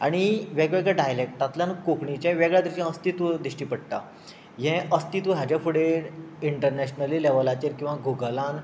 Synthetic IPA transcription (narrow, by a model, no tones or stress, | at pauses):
aɽ̃iʋɛɡʋɛɡɭaɖajlek̚ʈ̪at̪ljãnkokɳit͡ɕɛ̃ʋɛɡɭjad̪iɕãəst̪it̪ʋd̪iɕʈiːpəɽ̚t̪a̰ | ɦɛ̃əst̪it̪ʋəɦad͡ʑafuɽeɽiɳʈəɾnæɕnəlilɛʋəlat͡ɕeɾkĩw̃ʋaɡʱuɡlãn